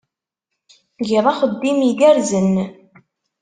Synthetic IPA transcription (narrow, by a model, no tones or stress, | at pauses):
ɡiðˤɑχəd̪ːimiɡæɾzən